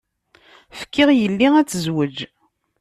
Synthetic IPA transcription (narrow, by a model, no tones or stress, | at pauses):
fə̥kːɪʁjəlːiæt͡sːəzwəd͡ʒ